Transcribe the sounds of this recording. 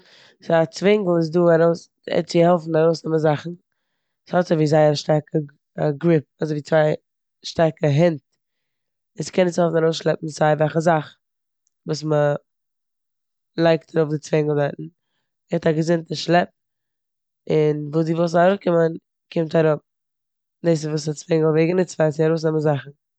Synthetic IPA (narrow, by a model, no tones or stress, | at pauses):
sɪat͡svɪŋɡl̩ˠɪs̬duːaɾoʊs | ɛ̰t͡sɪhɛlˠfn̩aɾoʊsnɛməzaχn̩ | shɔtsɪviːzaɪaʃtaɾkʰə | aɡɾɪp̚azoɪviːt͡svaɪ | ʃtaɾkəɦɪnt | ɪskɛnɪshɛlˠfn̩aɾoʊsʃlˠɛp̚m̩zaɪvɛlχəzaχ | vuːsmə | lˠaɪktʰaɾʊfdɪt͡svɛɪŋlˠvaɪtn̩ | hɛtaɡəzɪntəʃlˠɛp̚ | ɪnvuːsdivosaɾʊkɪmən | kʰɪmtaɾʊp̚ | deɪs̬ɪvuːs̬at͡svɛŋəlˠveɪɡənɪt͡svaɪsɪaɾoʊs̬nɛmənzaχn̩